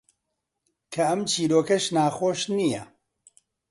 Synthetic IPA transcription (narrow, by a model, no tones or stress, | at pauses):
kʰɐɐmt͡ʃʰiːɾoːkɐʃnaːxoːʃnijɐ